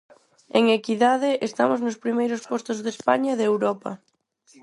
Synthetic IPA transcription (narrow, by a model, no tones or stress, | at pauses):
eŋekiðað̞ɪʔest̪amʊznʊspɾimejɾʊspɔst̪ozðespaɲaðewɾɔpɐ̰